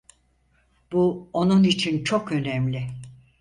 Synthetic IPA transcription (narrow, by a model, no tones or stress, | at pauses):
b̥uo̞nunit͡ʃʰint͡ʃʰokø̞nɛmlʲɪ